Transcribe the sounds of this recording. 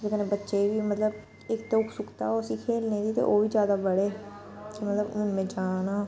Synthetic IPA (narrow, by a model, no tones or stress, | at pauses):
d͡ʒɪkənebətːʃeːʋiːmət̪ləb | ɪkt̪eʊkʰsʊkt̪a̰ːoːəsĩːkʰeːlneːd̪iːt̪ḛːʔoːʋiːd͡ʒjaːd̪aːbəɽeː | kimət̪ləbʊnmẽːd͡ʒaːnaː